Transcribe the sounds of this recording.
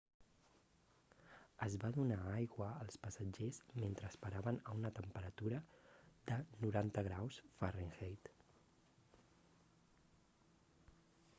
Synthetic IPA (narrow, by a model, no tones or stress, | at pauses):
əzβaðunaajɣwəəlˠspəsəd͡ʒezment̪ɾəːspəɾaβənəunət̪əmpəɾət̪uɾəd̪ənuɾant̪əɣɾawsfəreŋxejt̪